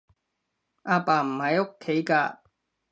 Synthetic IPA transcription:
ʔaː˧paː˨˩m̩˨˩hɐ˨jo˥kʰːe˨˥jkaː˧

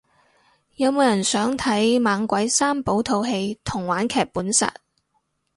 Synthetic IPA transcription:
jɐ˨˧wmoː˨˧wjɐ˨˩nsœː˨˥ŋt̪ʰɐ˨˥jmaː˨˧ŋkʷɐ˨˥jsaː˥mpo˨˥wt̪ʰo˧wɦe˧jt̪ʰʊ˨˩ŋwaː˨˥nkʰɛː˨k̚pːuː˨˥nsɐ̰˨t̚

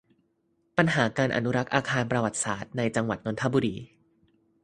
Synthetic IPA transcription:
pa˧nɦaː˩˦kaː˧nʔa̰˧nu˦˥ɾa˦˥k̚ʔaː˧kʰaː˧npɾa˧wa˨˩t̪̚saː˨˩t̪̚na˧jt͡ɕa˧ŋwa˨˩t̪̚no˧nt̪ʰa˦˥buː˧ɾiː˧

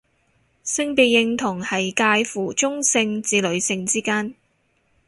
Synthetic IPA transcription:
sɪ˥ŋpe˨˧jɪ˧ŋt̪ʰʊ˨˩ŋhɐ˨jkaː˧jfuː˨˩t͡ʃʊ˥ŋsɪ˧ŋt͡siː˨˧lɵ˨˧ɥsɪ˧ŋt͡siː˥kaː˥n

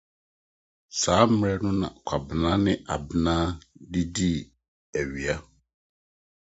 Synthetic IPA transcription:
saː˨˦m̩˦mɾɛ˦nʊ̃˦nã̰˨kʷʰa˨bɪ˨nãː˦nɪ̃˦ʔa̰˨bnãː˦di˦di˦˨ | æ˨ɥi˨a˦

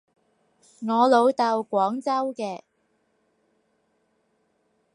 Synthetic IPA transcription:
ŋɔː˨˧lo˨˧wt̪ɐ˨˧wkʷɔː˨˥ŋt͡sɐ˥wkɛː˧

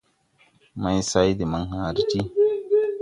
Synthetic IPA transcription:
ma˦jsa˦jdi˨ma˦ŋha˨ɾi˦ti˦

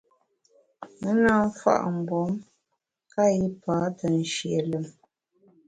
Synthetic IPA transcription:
mə˦naː˦ɱ˦fa̰˦˨ʔm̩˨bɔ˨˦m | ka˦ji˦paː˨˦tə˨n̩˨ʃje˨lə˨m

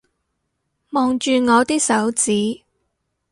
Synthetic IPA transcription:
mɔː˨ŋt͡ʃyː˨˧ŋɔː˨˧t̪iː˥k̚sɐ˨˥wt͡siː˨˥

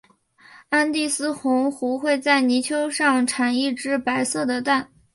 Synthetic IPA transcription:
a˥nt̪i˥˩sɹ̩˥xʊ˧˥ŋxu˧˥xwe˥˧ɪt͡sa˥˩ɪni˧˥t͡ɕʰjo˥ʊʂɑ˥˩ŋʈ͡ʂʰa˨˩ni˥˩ʈ͡ʂɻ̩˥pa˧˥ɪsɤ˥˩d̪ə˩t̪a˥˩n

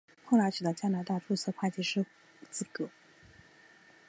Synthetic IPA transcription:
xʰʊ˥˧la˧˥ʈ͡ʂɻ̩˨˩d̪ə˧˦t͡ɕja˥na˧˥t̪a˥˧ʈ͡ʂu˥˧s̩ʰ˥˧kʰwa˥˩t͡ɕi˧˥ʂɻ̩˥ | t͡sɹ̩˥˩kɤ˧˥

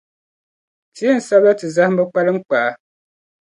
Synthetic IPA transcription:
ti˨˦e˦n̩˨sa˦ba˦tɨ˨za˦hm˦bɨ˦k͡pa˦lɨ˦ŋ͡m̩˦k͡pa˨a˦

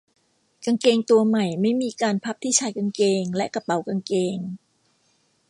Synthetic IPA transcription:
ka˧ŋkeː˧ŋt̪u˧ɐma˨˩jma˥˩jmiː˧kaː˧npʰa˦˥p̚t̪ʰiː˥˩t͡ɕʰaː˧˥jka˧ŋkeː˧ŋlɛ˦˥ʔka˧pa˩˦wka˧ŋkeː˧ŋ

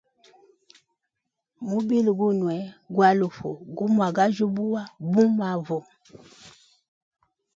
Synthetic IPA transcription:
mu˦bi˦lu˨ɡu˦nwɛ˨˦ɡwa˦lu˨fo̰˨ɡu˦mwa˨ɡa˦ʒu˦bu˦wa˦bu˦mwa˨vɔ˨

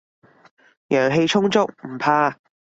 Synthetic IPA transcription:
jœː˨˩ŋɦe˧jt͡ʃʰʊ˥ŋt͡sʊ˥k̚m̩˨˩pʰaː˧

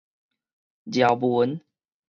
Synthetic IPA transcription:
d͡ʑja˨˩wbu˨˦n

